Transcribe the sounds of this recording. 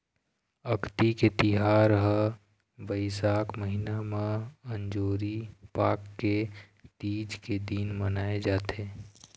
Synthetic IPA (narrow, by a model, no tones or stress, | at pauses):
ɐkt̪iket̪ɪɦaːɾəɦə | ʋəɪsaːkməɦɪnamẽə̃ɲd͡ʒoːɾipaːkːe | t̪iːd͡ʒked̪iːnmənaːed͡ʒaːt̪eː